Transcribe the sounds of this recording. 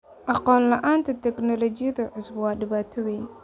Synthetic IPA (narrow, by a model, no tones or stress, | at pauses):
ʔɑqɔːnlɐʔaːnt̪ʰɐt̪ʰɛknɔlɔt͡ʃɪjɐðɐʕʊsbwɑːɖɪβaːt̪ʰɐwɛjn